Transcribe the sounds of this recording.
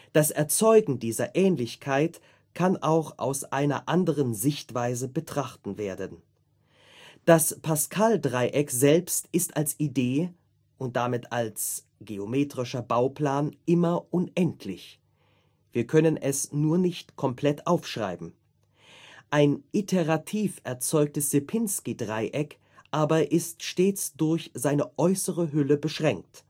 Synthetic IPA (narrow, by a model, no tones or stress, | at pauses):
d̥asʔɛɐt͡sɔʏɡŋ̩diːzɐ̰ʔɛːnlɪçkʰaɪt | kʰanʔaʊxa̰ʊsʔaɪnɐ̰ʔandəʁənzɪçtv̥aɪzəbətʁ̥aχtn̩veːɐdən | d̥aspʰaskʰaldʁaɪʔɛkzɛlpstɪstalsʔideː | ʔʊnt̚d̥amɪtals | ɡ̥eomeːtʁ̥ɪʃɐbaʊplaːnʔɪmɐʔʊnʔɛntʰlɪç | v̥iːɐkʰœnənɛsnuːɐnɪçtkʰɔmpl̥ɛtʔaʊfʃʁ̥a̰ɪbm̩ | ʔaɪnʔitʰeʁatʰiːfʔɛɐt͡sɔʏk̚təsz̥epʰɪnskidʁaɪʔɛk | ʔaːbɐʔɪstʃteːt͡sd̥ʊɐçzaɪnəʔɔʏsəʁəɦʏləbəʃʁ̥ɛŋk̚t